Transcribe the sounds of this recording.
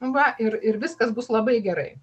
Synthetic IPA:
ʋɐʔɪɾɪɾʋʲɪskɐsbʊslˠɐbɐɪɡʲɛɾɐɪ

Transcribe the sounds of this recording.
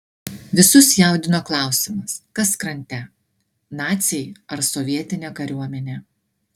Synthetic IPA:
ʋʲɪsʊsjɛˑʊd̪ʲɪnoːklˠɑˑʊsʲɪmɐskɐskɾɐnʲt̪ʲɛ | nɑːt̪sʲɛjɐɾsɔʋʲiɛt̪ʲɪnʲɛkɐɾʲuɔmʲɛnʲɛ

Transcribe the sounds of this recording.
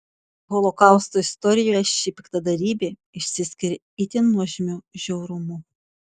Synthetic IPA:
ɦɔlˠɔkɑˑʊst̪oɪst̪ɔɾʲɪjoːjɛʃʲipʲɪkt̪ɐd̪ɐɾʲiːbʲeː | ɪʃʲsʲɪsʲkʲɪɾʲ | ɪt̪ʲɪnuɔʒʲɪmʲuʒʲɛʊɾʊmʊ

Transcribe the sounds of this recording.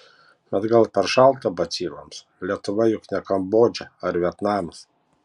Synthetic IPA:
b̥ʲɛt̪ɡɐlˠpʲɛɾʃɐlˠt̪ɐbɐt̪sʲiːɾo̰ːms | lʲiɛt̪ʊʋɐjʊknʲɛkɐmboːd͡ʒʲɛɐɾʋʲiɛt̪nɑːms

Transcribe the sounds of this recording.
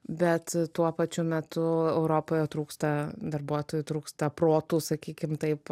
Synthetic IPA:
bʲɛt̪t̪uɔpɐt͡ʃʲʊmʲɛt̪ʊɛʊɾoːpoːjɛt̪ɾuːkst̪ɐd̪ɐrbuɔt̪oːjʊt̪ɾuːkst̪ɐpɾoːt̪uːsɐkʲiːkʲɪmt̪ɐɪp

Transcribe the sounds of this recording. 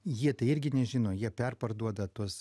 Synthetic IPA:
jiɛt̪ɐɪɪɾʲɡʲɪnʲɛʒʲɪːnoːjiɛpʲɛrpɐrd̪uɔd̪ɐt̪uɔs

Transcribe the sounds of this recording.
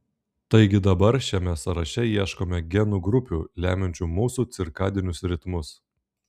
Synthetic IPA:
t̪ɐɪɡʲɪd̪ɐbɐɾʃʲɛmʲɛsɐɾɐʃʲɛjiɛʃkoːmʲɛɡʲɛnuːɡɾʊpʲuːlʲæːmʲɛnʲt͡ʃʲuːmuːsuːt̪sʲɪɾkɑːd̪ʲɪnʲʊsɾʲɪt̪mʊs

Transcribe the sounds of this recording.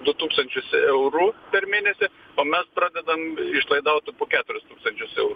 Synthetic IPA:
d̪ʊt̪uːkst̪ɐnʲt͡ʃʲʊsɛʊɾupʲɛɾmʲeːnʲɛsʲɪ | oːmʲɛspɾɑːd̪ʲɛd̪ɐmɪʃlˠɐɪd̪ɐʊt̪poːkʲæːt̪ʊɾʲɪst̪uːkst̪ɐnʲt͡ʃʲʊsɛʊɾu

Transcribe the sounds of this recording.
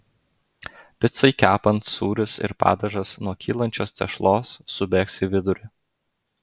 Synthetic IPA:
pʲɪt̪sɐɪkʲæːpɐnt̪suːɾʲɪsɪ̰ɾpɑ̰ːd̪ʲɐʒɐsnuɔkʲiːlˠɐnʲt͡ʃʲoːst̪ʲɛ̰ʃlˠoːsːʊbʲeːksʲɪʋʲɪd̪ʊɾʲɪ

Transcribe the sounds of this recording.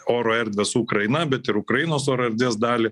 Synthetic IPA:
oːɾoːɛɾʲd̪ʲʋʲesuːkɾɐɪnɐbʲɛt̪ɪɾʊkɾɐjinoːsoːɾoːɛɾʲd̪ʋʲeːsd̪ɑːlʲɪ

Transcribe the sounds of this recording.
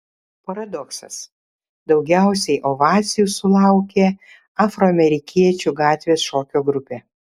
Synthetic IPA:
pɐɾɐd̪ɔksɐ̰s | d̪ɐʊɡʲæˑʊsʲɛɪʔoʋɑːt̪sʲɪjusʊlˠɑˑʊkʲeː | ɑːfɾoːɐmʲɛɾʲɪkʲiɛt͡ʃʲuɡɑːt̪ʲʋʲeːsʃoːkʲoːɡɾʊpʲeː

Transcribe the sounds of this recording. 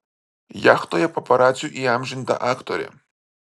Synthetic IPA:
jaxt̪ɔjɛpɐpɐɾat͡sʲjuʔiamʒɪnʲt̪a̰ʔakt̪ɔɾʲɛ̰

